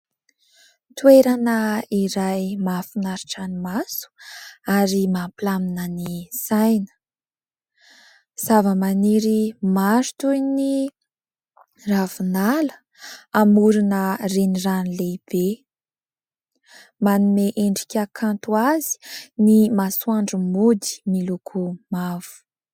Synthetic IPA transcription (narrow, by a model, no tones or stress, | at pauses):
t̪ueɾanəiɾajmafinaɾiʈ͡ʂanimasu̥aɾimampilaminənisajnə̥ | z̥avəmaniɾimaɾu̥t̪ujni | ravunalə̥ | amuɾinəreniranileib̥e | manumeʔeɳɖ͡ʐi̥kʲakʰant̪uazi̥nimasuaɳɖ͡ʐumud̪i̥milukʰumav̥u̥